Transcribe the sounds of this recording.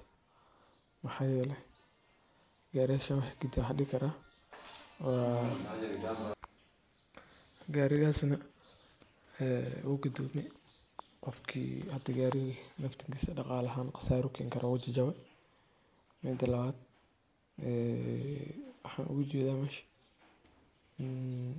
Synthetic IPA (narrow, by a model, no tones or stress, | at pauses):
mɐħɑːjɛːlɛ | ɡaːɾɪjaːʃɐwɑħɡud̪aħɐɗɪkʰɐɾaː | waː | ɡaːɾɪɣaːsnɐ | ɛːwuːɡʊd̪ɔːbnɛ | qɔfkʰḭːhɐt̪ɐɡaːɾɪɣinɐft̪ʰɪŋkiːsɐɗɑqɑːlɐɦaːnqɑ̥saːɾʊkʰɛŋkʰɐɾʔɔwʊt͡ʃɐt͡ʃɐβɛ | mɛːd̪ɐlɐβaːd̪̚ | ɛː | wɑħa̰ːnʔʊ̰ɣʊt͡ʃɛːðaːmɛːʃ